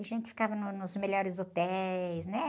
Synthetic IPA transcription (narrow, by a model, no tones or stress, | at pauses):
ɐʒẽnt̪ɪ̥fi̥kavɐnʊnʊzmeʎɔɾɪzot̪ɛjsnɛ